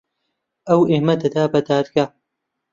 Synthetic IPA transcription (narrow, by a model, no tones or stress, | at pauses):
ɐweːmɐd̪ɐd̪aːbɐd̪aːd̪ɡaː